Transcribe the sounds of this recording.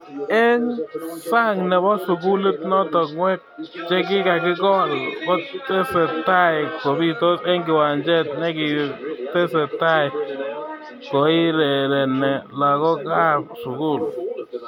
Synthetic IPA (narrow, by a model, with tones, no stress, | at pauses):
ɛ˦ŋsa˦ŋnɛ˨βɔ˦sʊ˨ku˦le˦tnɔ˦tɔ˨ŋwɛ˦k̚t͡ʃɛ˦kɪ˦ka˨kɪ˦kɔ˦˨lko˦tɛ˦sɛ˨ta˦ɪ˨ko˨bi˦to˦tɛ˦ŋɡɪ˨wa˨nd͡ʒɛ˦tnɛ˦kɪ˨tɛ˦sɛ˨ta˦ɪ˨ | kɔ˨ɪ˦lɛ˨lɛ˨nɛ˨la˨kɔ˦ka˦˨p̚sʊ˨ku˦˨l